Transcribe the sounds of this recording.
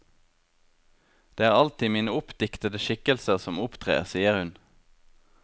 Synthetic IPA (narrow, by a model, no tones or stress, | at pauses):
d̪̥eːæːʁɑlt̪ɪːmiːnəʊpd̪ɪkt̪əd̪əʃɪkəlsəʁsɔmʊpt̪ʰʁḛːʁsiːəʁhʉn